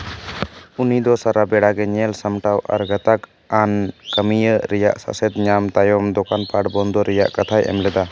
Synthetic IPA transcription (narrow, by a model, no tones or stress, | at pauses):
unid̪ɔsaɾabɛɽaɡɛɲɛlsəmʈawʔa̰ɾɡət̪ak | ankəmijəɾɛja̰ʔsa̰sɛd̪ɲamt̪ajɔmd̪ɔkanpaʈbɔnd̪ɔɾɛjaʔkat̪ʰajʔɛ̰mlɛd̪a